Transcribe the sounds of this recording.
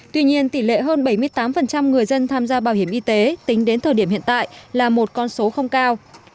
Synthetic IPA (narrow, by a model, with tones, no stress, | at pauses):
t̪wi˧ɲi˧ənt̪i˧˩lḛ˧˨ɦəː˧nɓa˧˩jmɨ˧əjt̪aː˨˦mfə˨˩nt͡ɕa˧mŋɨ˨˩əjzə˧nt̪ʰaː˧mzaː˧ɓaː˧˩whi˧˩əmʔi˧t̪e˨˦t̪ï˨˦ŋ̟ɗe˨˦nt̪ʰəː˨˩ɗi˧˩əmhḭ˧˨ənt̪a̰ː˧˨jlaː˨˩mo˨˩t̚kɔ˧nso˨˦xə˧wŋ͡mkaː˧w